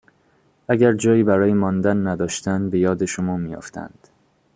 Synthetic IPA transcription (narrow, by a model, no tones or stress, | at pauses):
ʔæɟæɾd͡ʒɒːiːbæɾɒːjemɒnd̪ænːæd̪ɒːʃt̪ænbe̞jɒːd̪eʃomɒːmiːjo̰ft̪ʰæ̰nd̪̥